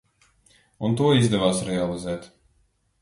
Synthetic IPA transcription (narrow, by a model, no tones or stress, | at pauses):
unt̪uɔizd̪ɛvaːsɾɛalˠizɛːt̪